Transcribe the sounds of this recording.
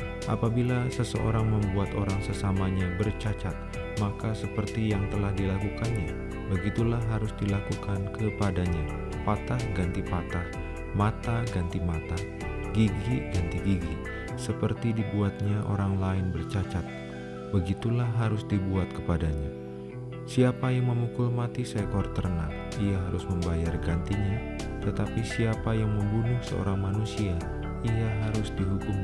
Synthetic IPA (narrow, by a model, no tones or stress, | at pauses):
ʔa̰pabilasəsəʔo̰ɾaŋməmbuat̪oɾaŋsəsamaɲabərt͡ʃat͡ʃat̪̚ | makasəpərt̪ijaŋt̪əlahdilakukanɲa | bəɡit̪ulaɦaɾʊsdilakukankəpadaɲa | pat̪ahɡant̪ipat̪ah | mat̪aɡant̪imat̪a | ɡiɡiɡant̪iɡiɡi | səpərt̪idibuat̪̚ɲaʔo̰ɾaŋlaɪnbərt͡ʃat͡ʃat̪̚ | bəɡit̪ulahɦaɾʊsdibuat̪̚kəpadaɲa | siapajaŋməmukʊlmat̪isajkɔrt̪ərna | iaɦaɾʊsməmbajarɡant̪iɲa | t̪ət̪apisiapajaŋməmbunʊhsə̰o̰ɾaŋmanusia | ijaɦaɾʊsdiɦukʊm